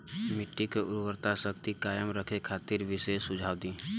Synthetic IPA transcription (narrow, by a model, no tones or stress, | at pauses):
mɪʈːikeʊɾwəɾt̪asək̚t̪ikaːjəmɾəkʰekʰaːt̪ɪɾʋɪsesʊd͡ʒʱaːʋd̪ĩː